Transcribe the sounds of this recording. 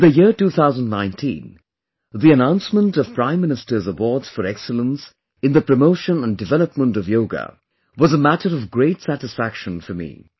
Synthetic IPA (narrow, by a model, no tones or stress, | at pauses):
ðɨjɪɹtuθaʊzə̃ndnãɪ̃ntʰḭ̃n | ðiɨnãʊ̃nsmə̃ntʌv̥pʰɹ̥ãɪ̃mːɪnɨstə˞zəwɔɹdz̥fə˞ɛksələ̃ns | ɨ̃nðəpʰɹ̥əmoʊʃə̃nə̃ndɨvɛlˠəpmə̃ntʌvjoʊɡə̰ | wʌzəmæɾəɾʌvɡɹeɪtsæɾɨsfækʃə̃nfə˞mḭ